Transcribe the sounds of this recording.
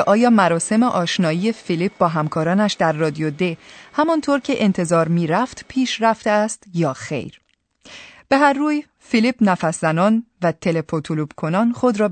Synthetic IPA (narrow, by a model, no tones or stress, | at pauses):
ʔɒːjɒːmæɾɒːse̞meʔɒːʃnɒːjije̞filip̚bɒːɦæmkʰɒːɾɒːnæʃd̪æɾːɒːd̪ijod̪ehæmɒnt̪ʰoːɾcʰe̞ʔent̪ʰe̞zɒːɾmiːɾæft̪pʰiːʃræft̪eæst̪jɒːxe̞̰jɾ | b̥e̞ɦæɾːuːj | filipnæfæszænɒːnvæt̪ʰe̞lepʰot̪ʰulub̥kʰo̞nɒːnχo̞d̪ɾɒː